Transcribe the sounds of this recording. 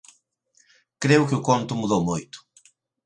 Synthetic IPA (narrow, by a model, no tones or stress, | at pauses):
kɾeʊkɪʊkõnt̪ʊmuðowmojt̪ʊ̥